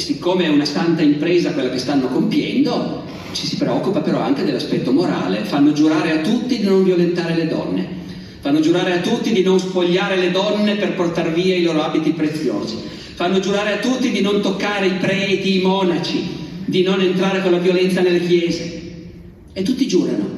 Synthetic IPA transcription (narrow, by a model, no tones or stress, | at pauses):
sikːoːmeɛunasant̪aimpɾeːzakwelːakest̪anːokompjɛnd̪o | t͡ʃisi̥pɾeɔkːupapeɾɔa̰ŋk̟ed̪elːaspɛt̪ːomoɾa̰ːlefanːod͡ʒuɾaːɾeat̪ːut̪ːid̪inoɱvjolent̪aːɾeled̪ɔ̰nːḛ | fanːod͡ʒuɾaːɾeat̪ːut̪ːid̪inonsfoʎːaːɾeled̪ɔnːeperport̪arviːailoːɾoaːbit̪ipɾet̪sːjo̰ːzi | fanːod͡ʒuɾaːɾeat̪ːut̪ːid̪inont̪okːaːɾeipɾɛːt̪iːmɔːnat͡ʃid̪inonent̪ɾaːɾekolːavjolɛnt̪sanelːekjɛːze | et̪ːut̪ːid͡ʒuːɾa̰no